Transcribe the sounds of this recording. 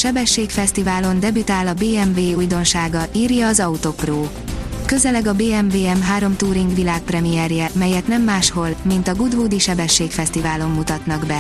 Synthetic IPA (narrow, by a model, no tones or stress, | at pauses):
ʃɛbɛʃːeːkfɛst̪ivaːlo̞nd̪ɛbyt̪aːlɒbeːɛmveːujd̪o̞nʃaːɡɒiːrjɒːzɒut̪o̞proː | kø̞zɛlɛɡɒbeːɛmveːɛmɦaːɾo̞mt̪uːɾiŋɡʋilaːk̚prɛmijɛrjɛmɛjɛt̪nɛmːaːʃho̞lmint̪ɒɡud̪vuːd̪iʃɛbɛʃːeːkfɛst̪ivaːlo̞mːut̪ɒt̪nɒɡbɛ